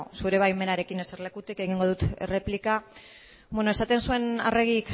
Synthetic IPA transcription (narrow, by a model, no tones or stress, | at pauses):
suɾe̞βajme̞naɾe̞kine̞seɾle̞kut̪ikeɣ̞iŋɡo̞ð̞ut̪ere̞plika | bwenoesat̪e̞nsue̞na̰re̞ɣik